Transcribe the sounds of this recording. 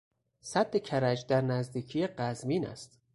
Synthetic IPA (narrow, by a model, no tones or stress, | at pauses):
sæd̪ːecʰæɾæd͡ʒd̪æɾnæzd̪iːcʰijeɢæzmiːnæ̰st̪